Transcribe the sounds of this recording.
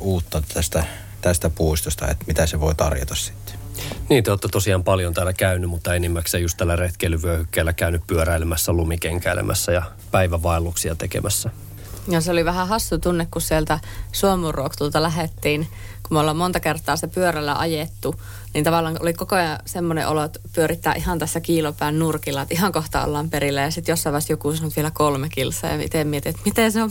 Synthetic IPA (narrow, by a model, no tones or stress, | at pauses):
uːt̪ːɑnt̪t̪æst̪æ | t̪æst̪æpuist̪ost̪ɑ̰ḛt̪mit̪æseʋoit̪ɑ̰rjo̰t̪ɑssi̥t̪ːe̥ | niːt̪æoːt̪ːɑt̪osiɑːmpɑljont̪æːlːækæynːymut̪ːɑenimːækseːjust̪ælːæret̪kelyʋyøhykːæːlːækæynyppyøɾæilemæsːælumikeŋkæelḛmʔæ̰sːæjɑ | pæiʋæʋɑˑelːuksiɑt̪ekḛmʔæsːæ | joseoliʋæhæhɑsːut̪unːekkussielt̪æsuomurːuokt̪ult̪ɑlæɦet̪ːiːn | kumolːɑmmont̪ɑkert̪ːˑɑːsi̥t̪æpyørælːæʔɑjet̪ːu | niːnt̪ɑʋɑlːˑɑːŋʔolikokojɑsemːonḛʔolot̪pyøɾit̪ːæːʔihɑnt̪æsːækiːlopæˑːnnurkilːˑɑet̪ʔiɦɑŋkoht̪ɑɑ̰lːɑmperilːæjɑsit̪josːɑˑʋɑˑst̪jokusɑnot̪ʋielækolmekilsɑ̰jɑ̰mḭt̪eˑmmiet̪iet̪mit̪enseo